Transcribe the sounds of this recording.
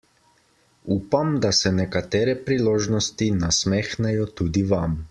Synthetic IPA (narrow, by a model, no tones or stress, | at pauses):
uːpamd̪asɛnɛkat̪ɛːɾɛpɾiloːʒnɔst̪inasmɛːxnɛjɔt̪uːd̪iʋam